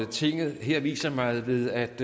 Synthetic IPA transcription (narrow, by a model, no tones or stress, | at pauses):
t͡sʰe̝ŋ̰ð̩ˠɦeɐ̰ʋḭːsɐmɑ̈ɪʋe̝ðˠæd̥